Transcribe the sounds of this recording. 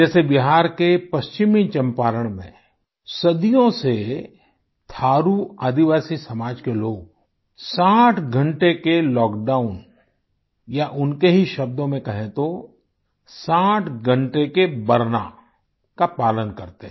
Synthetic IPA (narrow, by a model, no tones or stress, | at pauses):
d͡ʒɛːsebɪɦaːɾkepɐst͡ʃɪmit͡ʃɐ̃mpaːɾəɽ̃mḛ̃ | sɐd̪ijõse | t̪ʰaːɾuaːd̪iʋaːsisɐmaːd͡ʒkeloːɡ | saːʈʰɡʱə̃ɳʈekelɔːkɖaːʊn | jaʔʊnkeɦiʃɐb̚d̪õmẽkɐɦẽt̪o | saːʈʰɡʱə̃ɳʈekebɐɾna̰ | kapaːlənkɐɾt̪eɦ